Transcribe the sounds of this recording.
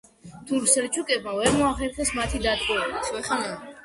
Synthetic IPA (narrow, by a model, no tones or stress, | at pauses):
t̪ʰuɾsɛɾt͡ʃʰukʼɛbmavɛɾmɔaχɛɾχɛsmat̪ʰid̪ad̪ɡʼɔaɛana